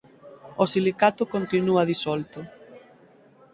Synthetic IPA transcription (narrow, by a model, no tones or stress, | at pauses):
osilikat̪ʊkont̪inuɐðisɔlt̪ʊ